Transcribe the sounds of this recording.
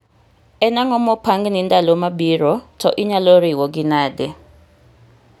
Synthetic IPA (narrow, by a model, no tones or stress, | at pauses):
ɛnaŋɔmɔpʰaŋɡnintʼalɔmaɓiːrɔtʰɔʔiɲaloriwɔk̬ʼinaːdɛ